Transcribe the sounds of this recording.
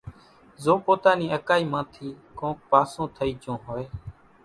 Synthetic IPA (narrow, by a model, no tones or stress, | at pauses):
zoːpoːt̪aːnĩːəkaːiːmãːt̪ʰiː | kõːk̚paːsõːt̪ʰəiːd͡ʒõːɦoːeː